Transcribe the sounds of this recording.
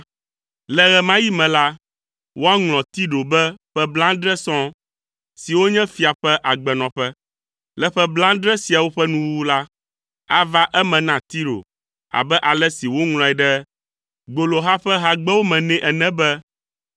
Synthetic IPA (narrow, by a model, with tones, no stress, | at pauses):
lɛ˨ɣɛ˨mã˦ji˦mɛ̃˨la˦ | wo˦a˦ŋlɔ̃˨t̪i˦ɖo˨bɛ˦ɸɛ˦blã˦ɖɾɛ˦sɔ̃˦ | si˨wo˦ɲɛ̃˦fi˦a˨ɸɛ˦ʔa˨ɡ͡bɛ˨nɔ̃˨ɸɛ˦ | lɛ˨ɸɛ˦blã˦ɖɾɛ˦si˨a˨wo˦ɸɛ˦nũ˦wu˦la˦ | a˦va˦ʔɛ˦mɛ̃˨nã˦t̪i˦ɖo̰˨ | a̰˨bɛ˦ʔa˨lɛ˦si˨wo˦ŋl̃ɔ̃˨ɛ˨ɖɛ˦ | ɡ͡bo˨lo˨ɦa˦ɸɛ˦ɦa˦ɡ͡bɛ˦wo˦mɛ̃˨nɛ̃˦ʔɛ˨nɛ̃˦bɛ˦